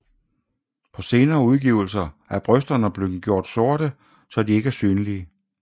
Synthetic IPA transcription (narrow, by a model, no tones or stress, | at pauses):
pʰɒ̽se̝ːnɐːuð̞ˠɡ̥iʊl̩sɐæɐb̥ʁœsd̥ɐnəb̥løɡ̥jo̝ɐ̰d̥so̝ɐ̰ɾ̥ə | sɒ̽d̥ie̝ɡ̥æɐsyːnliə